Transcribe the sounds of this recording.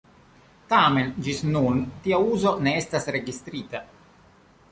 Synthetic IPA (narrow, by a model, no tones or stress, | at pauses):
tame̞nd͡ʒisnuntiauzo̞ne̞estasɾe̞ɡist̪ɾita